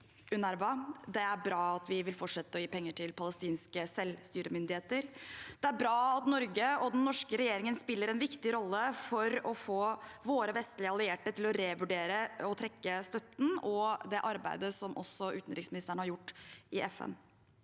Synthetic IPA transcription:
ʉnæɾʋɑd̪ɛæɾbɾɑːɑt̪ʋɪʋɪlfɔʈʂɛt̪ːəɔjiːpɛŋːəʈʰɪlpʰɑləst̪iːnskəsɛlst̪yːɾəmʏnd̪ɪheːt̪əɾd̪̥ɛæɾbɾɑːɑt̪nɔɾɡəɔd̪ɛnnːɔʂkəɾɛjeːɾɪŋənspɪlːəɾɛnʋɪkt̪ɪɾɔlːəfɔɾɔfoːʋoːɾəʋɛst̪lɪəɑlɪeːʈət̪ʰɪlɔɾeːʋʉɖeːɾəɔt̪ʰɾɛkːəst̪œt̪n̩ɔd̪ɛʔɑɾbæ̰ɪd̪əsɔmʔɔ̰sːɔʉːt̪n̩ɾɪksmɪnɪst̪æːɳəhɑɾjʊʈːʔɪʔɛfɛ̰n

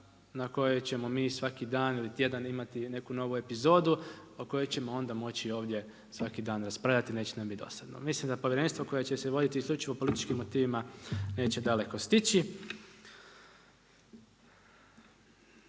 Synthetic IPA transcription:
nako̞jot͡ɕe̞mo̞miːsʋakid̪aːnilit̪ʲje̞d̪animat̪ine̞kuno̞ʋue̞pizo̞ːd̪uoko̞jo̞jt͡ɕe̞mo̞o̞nd̪amo̞t͡ɕio̞ːʋd̪je̞ | sʋakid̪aːnɾaspɾaʋʎat̪ine̞ːt͡ɕenamid̪o̞̰sad̪nomislimd̪apoʋjeɾe̞nst̪ʋoko̞jet͡ɕeseʋo̞d̪it̪iːsklʎut͡ʃiʋo̞po̞lit̪i̥t͡ʃkimːo̞t̪iːʋimane̞ːt͡ɕe̞d̪ale̞ko̞st̪it͡ɕi

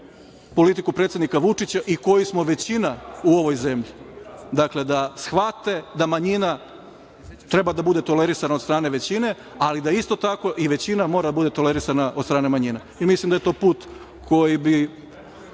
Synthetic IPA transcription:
po̞lit̪ikupɾet̪sed̪nikaʋut͡ʂit͡ɕaʔiko̞jismo̞ʋe̞t͡ɕinauo̞ʋo̞jze̞mʎid̪akle̞d̪asxʋat̪e̞d̪amaɲina | t̪ɾe̞bad̪abud̪e̞t̪o̞le̞ɾisanaost̪ɾaːne̞ʋet͡ɕine̞ | alid̪aist̪o̞t̪ako̞ʔiʋe̞t͡ɕinamo̞ːɾad̪abud̪e̞t̪o̞le̞ɾisanaʔod̪st̪ɾaːne̞maɲina | imislimd̪aje̞t̪o̞ːpuːt̪ | kʰo̞jibi

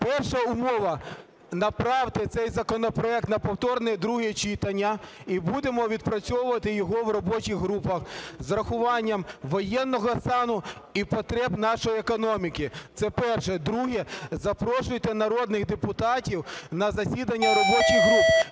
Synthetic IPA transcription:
pɛrʃɐʊmɔʋɐ | nɐpɾɑwt̪ɪt̪sɛjzɐkɔnɔpɾɔɛk̚t̪nɐpɔwt̪ɔrnɛd̪ɾuɦit͡ʃit̪ɐnʲːɐibud̪emɔʋʲid̪̚pɾɐt͡sʲɔwʊʋɐt̪ɪjɔɦɔʋrɔbɔt͡ʃiɣɦɾupɐxzɾɐxʊʋɑnʲːɐmʋɔjɛnːɔɦɔst̪ɑnʊipɔt̪ɾɛbnɑʃɔjiekɔnɔmʲikit̪sɛpɛrʃɛd̪ɾuɦɛzɐpɾɔʃʊjt̪ɛnɐɾɔd̪nɪɣd̪epʊt̪ɑtʲiwnɐzɐsʲid̪ɐnʲːɐɾɔbɔt͡ʃiɣɦɾup

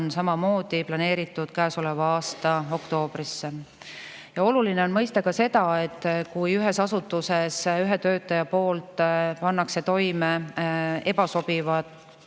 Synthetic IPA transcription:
nsɑmɑmo̞ːd̪̥iplɑne̞ːɾit̪ːˑud̪̥kæːso̞le̞vɑɑːst̪ɑo̞kt̪o̞ːb̥risːe | jɑo̞lulineo̞nmɤjst̪ekɑse̞d̪ɑe̞t̪ːˑkujyɦe̞sɑsut̪ːˑuse̞syɦet̪ø̞ːt̪ːˑɑjɑpo̞ːlt̪ˑpɑnːɑkse̞t̪o̞jme | e̞bɑso̞b̥ivɑd̪̥

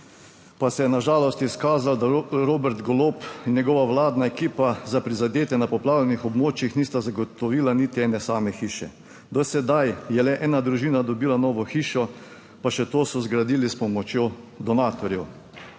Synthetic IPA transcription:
pasɛjɛnaʒaːlɔst̪iskaːzald̪aɾoːbɛɾt̪ɡɔloːpnjɛɡɔʋaʋlaːd̪naɛkiːpazapɾizad̪eːt̪ɛnapɔplaːwlʲɛnixɔbmoːt͡ʃjixniːst̪azaɡɔt̪ɔʋiːlanit̪iɛːnɛsaːmɛxiːʃɛ̰ | d̪ɔsɛd̪ajjɛlɛʔɛːnad̪ɾuʒiːnad̪ɔbiːlanɔːʋɔxiːʃɔ | paʃɛt̪oːsɔzɡɾad̪iːlispɔmɔt͡ʃjod̪ɔnaːt̪ɔɾjɛw

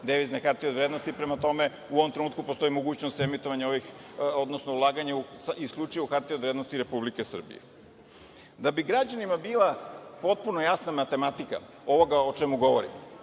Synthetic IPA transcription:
d̪ɛʋiznexaɾt̪iod̪vɾed̪nost̪ipɾemat̪o̞me | uoʋomt̪ɾenuːt̪̚kupo̞st̪o̞imo̞ɡuːt͡ɕnost̪emit̪oʋaɲeoʋixod̪nosnoulˠaːɡaɲeusiskʎʲut͡ʃajɛuxaɾt̪iod̪ʋɾed̪nost̪iɾe̞publikesr̩bḭjḛ | d̪abiɡɾad͡ʑanimabiːlˠapo̞t̪̚punojasnamat̪e̞mat̪ika̰ | o̞ʋo̞ɡaot͡ʃɛmuɡo̞ʋoɾḭmo

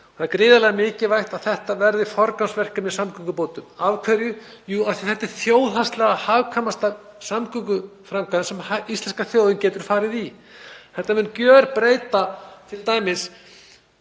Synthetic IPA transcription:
θaðaɾkɾɪːðalɛɣamɪːcɪvajht̪aðθɛht̪avɛɾðɪfɔɾkansvɛr̥kamɛðsamkʏŋkʏpoːwt̪ʏmavkʰvɛɾjʏjuːaθi̥θɛht̪ːɪɾ̥θjoːwðhast̪lɛɣahaːvkʰamast̪a | samkʏkʏfɾaŋkaðɪsɛmist̪lɛnskaθjoːwðʏncɛːt̪ʏɾ̥faːɾɪði | θɛht̪ːamɛnːcjœːɾpɾeːjt̪at̪ʰɪlt̪aːjmɪs

